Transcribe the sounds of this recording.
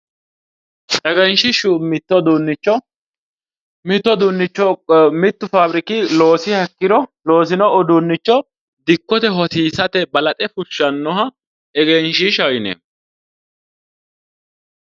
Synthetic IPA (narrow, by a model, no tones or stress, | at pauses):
ɛɡɛnʃɪʃumɪt̪ːɔd̪unːɪt͡ʃːɔ | mɪt̪ːɔd̪ʊnːɪt͡ʃːɔmɪt̪ːʊfabɾɪkɪloːsɪhɐkːɪd̪ɔlo̞ːs̬ɪnɔːd̪ʊnːɪt͡ʃːɔ | d̪ɪkːɔt̪ɛɦɔt̪iːsɐt̪ɛbɐlɐt̪ʼɛfʊʃːɐnːɔɦɐ | ɛɡɛnʃɪʃɐjnɛ̰